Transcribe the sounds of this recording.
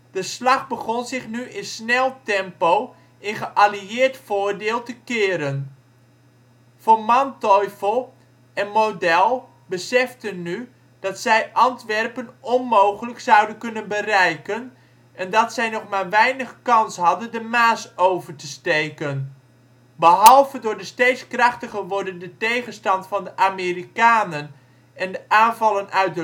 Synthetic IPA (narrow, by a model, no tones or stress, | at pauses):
d̥əslɑχbəχɔnzɪχnyɪnsnɛlˠtɛmpow | ɪnχəʔaliɪːɹtfʊːɹdɪːlˠtəkɪːɾən | vʊːɹmɑntɔjfəlˠ | ɛnmowdɛlˠ | bəsɛftənːy | d̥ɑtsɛjʔɑntʋɛrpənɔnmowχələksɑwdənkɵnənbərɛjkən | ʔɛndɑtsɛjnɔχmaːɹʋɛjnəχkɑnsɦɑdəndəmaːsowvəɹtəstejkən | bəɦɑlˠvədʊːɹdəstejtskrɑχtəχəʋɔɹdəndətejχənstɑntfɑndəʔaːmeːrikaːnən | ɛndəʔaːnvɑlənʔœɥt̚də